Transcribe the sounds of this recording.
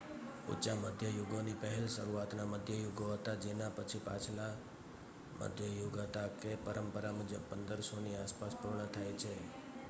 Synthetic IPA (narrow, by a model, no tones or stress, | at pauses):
ṵt͡ʃaməd̪ʱjəjuɡonipəɦɛlʃəɾuat̪naməd̪ʱjəjuɡoɦət̪ad͡ʒenapət͡ʃʰipa̰t͡ʃʰla | mʔə̰d̪ʱjəjuɡɦət̪akepəɾəmpəɾamud͡ʒə̰bpənd̪əɾsoniaspaspuɾɳət̪ʰajt͡ʃʰe